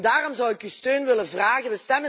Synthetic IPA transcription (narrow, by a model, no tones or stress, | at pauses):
ndaːɾɔmzʌwɪkystøːnʋɪlənvraːɣəʋəstɛmə